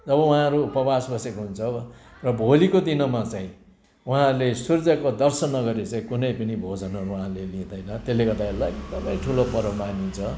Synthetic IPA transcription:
d͡zʌβʌwuɦãɾuːpʌbasbʌsekoɦunt͡sʰʌrʌbʱolikod̪inʌmat͡sãĩ | wuɦãɾulesurd͡zʌkod̪ʌrsʌnːʌɡʌɾet͡saĩkunʌjpʌnibʱod͡zʌnɦʌɾuɦãlelĩd̪ʌjnʌt̪elːekʌt̪aelajd̪ʌbʌj̃ʈʰulopʌɾʌmanint͡sʰʌ

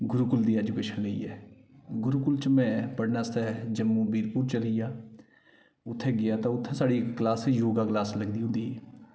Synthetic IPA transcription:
ɡʊɾukʊld̪iːɛːd͡ʒukeːʃənləḭːɛːɡʊɾukʊlt͡ʃəmɛ̃ːpəɽnaːst̪ɛːd͡ʒəmːuːbiːɾpuːɾt͡ʃəlɪjaː | ʊt̪ʰːẽːɡɪjaːt̪ãːʊt̪ʰːẽːsaːɽikklaːsejoːɡaːklaːsləɡd̪iːɦʊ̃nd̪iːɛː

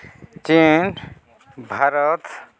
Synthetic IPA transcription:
t͡ʃin | bʱaɾət̪

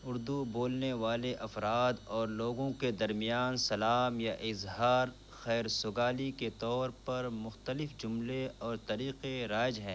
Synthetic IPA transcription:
ʊɾd̪uboːlneʋaːleʔɐfɾaːd̪ɔːɾloːɡõked̪ɐɾmijaːnsɐlaːmjaʔɪzɦaːɾ | xɛːɾsʊɡaːliket̪ɔːɾpɐɾmʊxt̪əlɪfd͡ʒʊmleɔːɾt̪ɐɾiːqeɾaːɪd͡ʒɦɛ̃ː

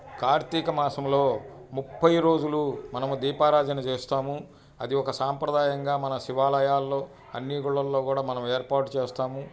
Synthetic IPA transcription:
kaːɾt̪ikɐmaːsɐmlo̞ːmupːɐjɾo̞ːd͡ʒulumɐnɐmud̪iːpaːɾaːd͡ʒɐnɐt͡ʃeːst̪aːmu | ɐd̪iɔkɐsaːmpɾɐd̪aːjɐŋɡaːmɐnɐsiʋaːlɐjaːlːo̞ː | ɐnːiɡuɭːɐlːo̞ːkuːɽaːmɐnɐmeːɾpaːɾʈt͡ʃeːst̪aːmu

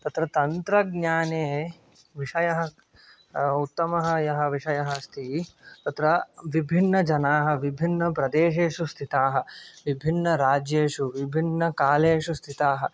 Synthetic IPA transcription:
t̪ɐt̪ɾɐt̪ɐnt̪ɾɐɡɲaːneː | ʋiʂɐjɐɦɐ | ut̪ːɐmɐɦɐjɐɦɐ̆ʋiʂɐjɐɦɐst̪ʰit̪ɐt̪ɾɐʋibʱinːɐd͡ʒɐnaːɦɐ̆ʋibʱinːɐpɾɐd̪eːʂ̬eːʂust̪ʰit̪aːɦɐ̆ʋibʱinːɐɾaːd͡ʒjeːʂuʋibʱinːɐkaːleːʂust̪ʰit̪aːɦɐ

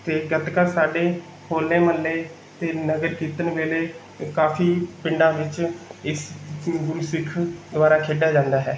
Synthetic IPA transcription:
t̪eːɡət̪kasaːɖeː | hʰoːlnẽːməlːeː | t̪eːnəɡəɾkiːt̪ənʋeːleː | kaːfʰiːpɪɳɖãːʋɪt͡ʃɪsɡʊlsɪkʰd̪ʊʋaːɾaːkʰeːɖaːd͡ʒãːnd̪aːɦɛː

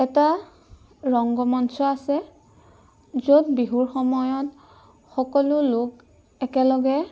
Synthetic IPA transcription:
ɛta | ɹɔŋɡɔmɔntɔasɛ | zodbiɦuɹxɔmɔjɔt | xɔkɔlʊlʊk | ɛkɛlɔɡɛ

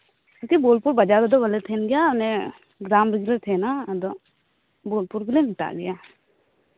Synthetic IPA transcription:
kukiboːlpʊɾbɐd͡ʒaːd̪od̪oʋəlet̪ʰeːnɡɪjanẽ | ɡɾaːmbɪɡlet̪ʰenad̪o | boːlpʊɾkelemɪʈ̪a̰ːɡɐjaː

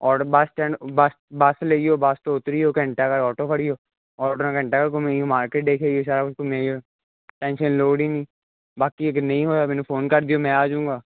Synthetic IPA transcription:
ɔːobasʈɛ̃ːɖbas | baːsleːɡioːbaːst̪oːʊt̪ɾijoːkɛ̃ɳʈaːkəɾɔːʈoːpʰəɽijoː | ɔːʈoːnãkə̃ɳʈaːkəɾkomɛ̃ːoːmaːɾkeːʈ̚d̪eːkʰeːoːs̬aːɾaːkʊskoːmɛ̃ːoː | ʈɛ̃ːnʃənloːɽiːnĩː | baːkieknəĩːɦoːaːmɛ̃ːnũpʰoːnkəɾd̪ijoːmɛ̃ːaːd͡ʒũːŋɡaː

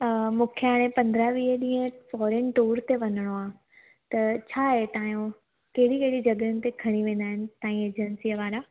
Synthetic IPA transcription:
mũːkʰjəɦaːɽ̃ẽpɐ̃nd̪ɾaʋiːɦəɗĩːɦə̃fɔːɾenʈoːɾt̪eʋɐnəɽ̃oaː | t̪ɐt͡ɕʰaːɦet̪ãːjũ | kɐɦɪɽikeɦɪɽid͡ʑɐɡɾjʊnɪ̆t̪ekʰɐɽ̃iʋẽːnd̪aːɦɪnɪ̆t̪ãːĩeːd͡ʑənsiːəʋaːɾa

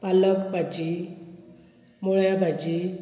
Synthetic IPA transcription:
paləkbʱad͡ʑi | moɭjabʱad͡ʑi

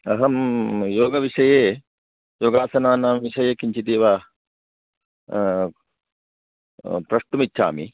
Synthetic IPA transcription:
ɐɦɐmjoːɡɐʋiʂɐjeː | joːɡaːsɐnaːnaːmʋiʂɐjeːkiɲt͡ʃit̪eːʋa | pɾɐʂʈumitːʃʰa̰ːmḭ

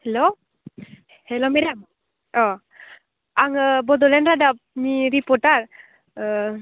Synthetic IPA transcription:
hɛlo | hɛlomɛɖam | ɔ | aŋbɔd̪ɔlɛnɾadap̚miɾipɔɾʈaɾ

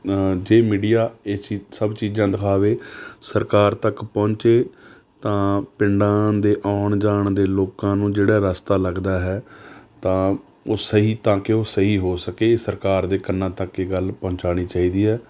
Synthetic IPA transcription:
d͡ʒeːmiːɖijaːeːt͡ʃisəbt͡ʃiːd͡ʒãːd̪əkʰaːʋeːsəɾkaːɾt̪əkpɔ̃ːɲt͡ʃeː | t̪ãːpɪɳɖãːd̪eːʔɔːɳd͡ʒaːɳd̪eːloːkãːnũːd͡ʒeːɽaːɾəst̪aːləɡd̪aːɦɛːt̪ãː | oːsəɦiːt̪ãːkɪoːsəɦiːɦoːsəkeːsəɾkaːɾd̪eːkənːãːt̪əkːeɡəlpɔ̃ːnt͡ʃaːɽ̃iːt͡ʃaːiːd̪iːɦɛː

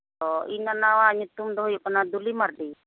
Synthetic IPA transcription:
ɔinanawaɲut̪umd̪ɔɦjukanad̪ulimaɾdi

